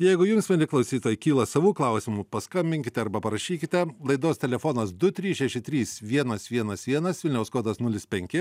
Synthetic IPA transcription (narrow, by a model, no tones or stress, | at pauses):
jɛɪɡʊjʊmsmʲɛlʲɪklˠɐʊsʲiːt̪oːjɪkʲiːlˠɐsɐʋuːklˠɐˑʊsʲɪmuːpɐskɐmʲbʲɪŋʲkʲɪt̪ʲɛɐɾbɐpɐɾɐʃʲiːkʲɪt̪ʲɛlˠɐɪd̪oːst̪ʲɛlʲɛfoːnɐsd̪ʊt̪ʲɾʲiːsʃʲɛʃʲɪt̪ʲɾʲiːsʋʲiɛnɐsʋʲiɛnɐsʋʲiɛnɐsʋʲɪlʲnʲɛʊskoːt̪ɐsnʊlʲɪspʲɛŋʲkʲɪ